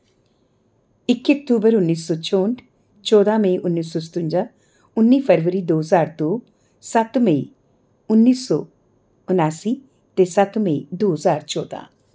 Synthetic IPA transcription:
ɪkek̚ʈuːbəɾʊnːiːsɔːt͡ʃɔːɳʈ | t͡ʃɔːd̪amə̃iʔʊnːiːsɔːst̪ʊ̃ɲd͡ʒaː | ʊnːiːpʰəɾʋəɾiːd̪oːɦzaːɾd̪oː | sɐt̪mə̃i | ʊnːiːsɔ̰ː | ʊnaːsiː | t̪eːsɐt̪mə̃id̪oːəzaːɾt͡ʃɔːd̪a̰ː

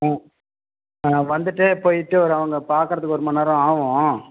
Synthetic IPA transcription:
ʋɐnd̪ɯʈːepoːjɪʈːɯɔɾɯɐʋɐŋɡɐpaːɾkɯɾɐðɯkːɯɔɾɯmɐnːɐːɾɐ̃aːʋõ

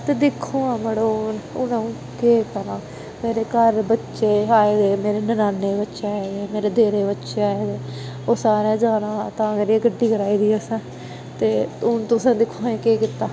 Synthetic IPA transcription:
t̪eːd̪ɪkʰːũːãːməɽonʊnãũː | keːkəɾãː | meːɾeːkəɾbətːʃeːaːeːd̪eːmeːɾeːnənaːnːeːbətːʃeaːeːd̪eːmeːɾeːd̪eːɾeːbətːʃeːaːeːd̪eː | oːsaːɾẽːd͡ʒaːnãːt̪ãːmeɾieɡəɖːiːkəɾaːiːd̪iːɛsɛ̃ː | t̪eːʊnt̪ʊsãːd̪ɪkʰːõːẽːkeːkɪt̪ːaː

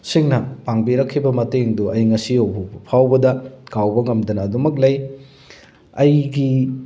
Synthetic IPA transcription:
siŋnɐpaŋbiɾɐkʰːibɐmɐteŋduʔɐjŋɐsiɐwbubɐpʰawbɐdɐkawbɐŋɐmdɐnɐːdumɐk̬̚lɐj | ɐjɡi

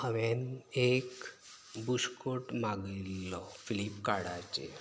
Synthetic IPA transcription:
əʋenek | buskoʈmaɡilːɔfilipkaɽat͡ɕḛ

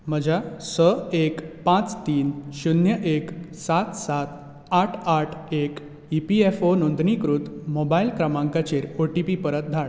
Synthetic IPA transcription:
məd͡ʑʱasəekpãt͡st̪iːnɕunjəʔeksat̪sat̪ | aʈʰaʈʰek | ipiefonond̪ɳikɾut̪mobailkɾəmãŋkat͡ɕeɾoʈipipəɾət̪̚d̪ʱaɭ

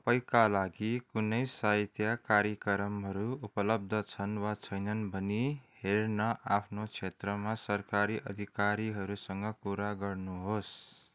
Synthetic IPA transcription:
ʌpʌjkalaɡikunʌjsaɦit̪jakaɾjʌkʌɾʌmɦʌɾuupʌlʌb̚d̪ʱʌt͡sʰʌnwat͡sʰʌjnʌnbʱʌnihernʌʔapʰnot͡sʰet̪rʌmasʌrkaɾiʔʌ̰d̪ʱikaɾiɦʌɾusʌŋɡʌpuɾaɡʌrnuɦos

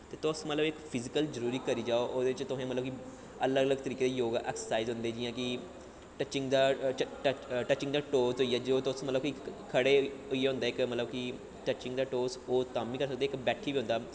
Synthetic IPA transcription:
t̪eːt̪ʊsmət̪ləbɪkpʰɪzɪkəlzəɾuːɾiːkəɾiːd͡ʒaːoʔoːd̪eːɪt͡ʃt̪ʊɦẽːmət̪ləbki | ələɡələɡt̪əɾiːkeːd̪eːjoːɡa̰ːʔɛːksəsaːizɦʊ̃nd̪eːd͡ʒɪjãːkɪ | ʈət͡ʃɪŋɡd̪aːʈəʈət͡ʃːɪ̃ŋɡd̪aːʈoːsoiːaːd͡ʒioːt̪ʊsmət̪ləbkikʰəɽeːiːeːɦʊ̃nd̪aːɪkmət̪ləbkɪ | ʈət͡ʃɪ̃ŋɡd̪aːʈoːsoːt̪aːmːiːkəɾsək̚d̪eːɪkbɛːʈʰiːbiːõʊ̃nd̪aː

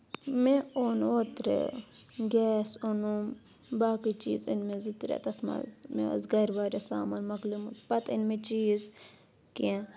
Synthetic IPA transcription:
mẽoːnoːt̪ɾḛ | ɡʲɛːsonum | baːkit͡ʃḭːzinmẽzit̪ɾʲḛːt̪ɐt̪ʰma̰zmḛ̃zɡɐɾʲʋaːɾasaːmaːnmɐklumupɐt̪inmẽt͡ʃiːz | kẽ

